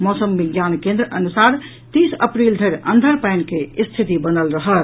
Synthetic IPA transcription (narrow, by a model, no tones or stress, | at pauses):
mɔsəmbiɡjankẽnd̪ɾəʔənusaɾ | t̪isə̰pɾild̪ʱəɾənd̪ʱəɾpɛjnkest̪ʰit̪ibənəlɾəɦəl